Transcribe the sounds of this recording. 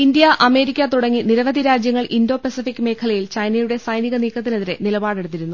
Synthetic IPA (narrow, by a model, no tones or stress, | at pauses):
ind̪jɐʔɐme̞ːɾikʲːɐt̪uɽɐŋːiniɾɐʋɐd̪ʱiɾaːd͡ʑjɐŋːɐɭʔindo̞ːpɐsifikʲːɨme̞ːkʰɐlɐjilt͡ɕɐjnɐjuɽe̞sɐjniɣɐniːkːɐt̪̬ːine̞ðiɾe̞nilɐbaːɽeɽut̪ːiɾunːu